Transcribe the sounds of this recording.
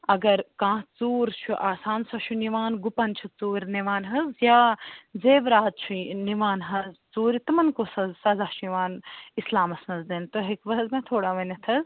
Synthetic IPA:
ɐɡɐɾkãːt͡suːɾt͡ʃʰuʔaːsaːnsɐʃʰuniʋaːnɡupɐnt͡ʃʰut͡suːɾniʋaːnɦɐzjaːzeːʋɾaːd̪̚t͡ʃʰuniʋaːnɦɐzt͡suːɾit̪ɐmɐnkosɐzsɐzaːʃniʋaːnislaːmɐsnɐzd̪ent̪oɦekʋɐɦzmẽt̪ʰoːɽaːʋɐnɐt̪ʰɐz

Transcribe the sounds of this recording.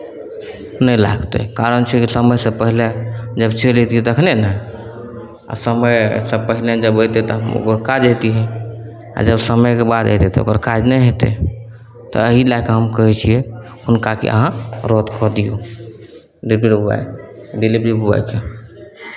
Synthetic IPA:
nəjla̰ɡt̪ḛkaɾənt͡ʃʰɛkisəməjsẽpəɦiled͡ʒəbt͡ʃʰelet̪iɛt̪əkʰnenɛj | a̰səməjsẽpəɦiled͡ʒəbojt̪et̪ɔɦəmo̰kəɾkad͡ʒət̪iɦɛ̃ | a̰d͡ʒəbsəməjkebad̪et̪et̪ɔo̰kəɾkad͡ʒnəjɦet̪ḛ | t̪ɔ̰əɦilakaɦəmkəɦɛt͡ʃʰiɛ | hunkakḛʔə̰ɦãɾɔt̪kɔd̪ijo | ɖibɾiɾua̰jɖilibɾibua̰jke

